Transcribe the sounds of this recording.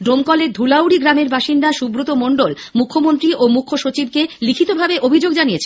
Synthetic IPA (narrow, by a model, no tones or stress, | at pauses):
ɖɾomkɔleɾd̪ʱulawɽiɡɾameɾbaʃind̪aʃubɾot̪omoɳɖol | mukʰːomont̪ɾiʔomukʰːoʃot͡ɕib̚kelikʰit̪obʱabeʔobʱid͡ʑoɡd͡ʑaniet͡ɕʰe